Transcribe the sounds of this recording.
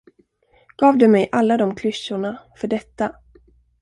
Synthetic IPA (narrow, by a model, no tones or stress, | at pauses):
ɡ̥ɑːvd̪ɵmɛjʔalːad̪ɔmkʰlʏʃːʊɳafœɖɛt̪ːa